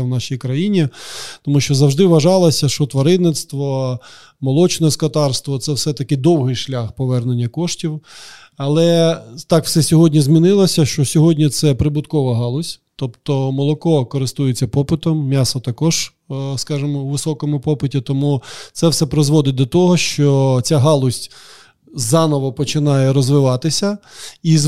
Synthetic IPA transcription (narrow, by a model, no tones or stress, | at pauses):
wnɑʃijkɾɐjinʲit̪ɔmuʃt͡ʃɔzɐwʒd̪ɪʋɐʒɑlˠɐsʲɐʃɔt̪ʋɐɾɪnnɪt̪st̪ʋɔ | mɔlˠɔt͡ʃɪnɔskɐt̪ɑrst̪ʋɔt̪sɛwsɛt̪ɐkɪd̪ɔwɦɪjʃlʲaxpɔʋɛrnenʲːɐkɔʃtʲiw | ɐlˠɛt̪ɑkw̥sɛsʲɔɦɔdʲnʲizmʲinɪlˠɐsʲɐʃt͡ʃɔsʲɔɦɔdʲnʲit̪sɛpɾɪbʊt̪kɔʋɐɦɑlˠɔsʲt̪ɔpt̪ɔmɔlˠɔkɔkɔɾɪst̪ujɪt͡sʲːɐpɔpɪt̪ɔmːʲasɔt̪ɐkɔʒ̥ | skɑʒɪmɔwʋɪsɔkɔmʊpɔpɪtʲit̪ɔmut̪sɛwsɛpɾɔzʋɔd̪ɪd̪ɔt̪ɔɦɔʃt͡ʃɔt͡sʲaɦɑlˠʊsʲtʲ | zɑnɔʋɔpɔt͡ʃɪnɑjɛɾɔzʋɪʋɑt̪ɪsʲɐi